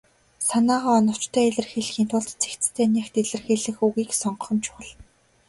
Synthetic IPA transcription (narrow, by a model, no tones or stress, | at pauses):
sanaːʁaːɔnɞ̆w̥t͡ɕt̪ʰœːeɮɘ̆rxeɮxiːnt̪ʰʊɮt̪t͡sʰe̥kt̪t͡sst̪ʰæːnʲaxt̪eɮɘ̆rxeɮɘ̆xuɣiːksɔɴɢ̆χɞ̆mt͡ɕʰʊ̥χɞ̆ɮ